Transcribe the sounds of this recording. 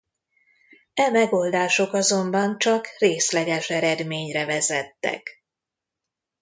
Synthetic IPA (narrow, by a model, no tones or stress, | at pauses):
ɛmɛɡoːld̪aːʃo̞kɒzo̞mbɒnt͡ʃɒkreːslɛɡɛʃɛɾɛd̪meːɲrɛvɛzɛt̪ːɛ̰k